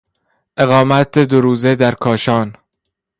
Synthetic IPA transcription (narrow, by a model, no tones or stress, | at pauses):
ʔe̞ɣɒːmæt̪̚ed̪oɾuːzed̪æɾkʰɒːʃɒːn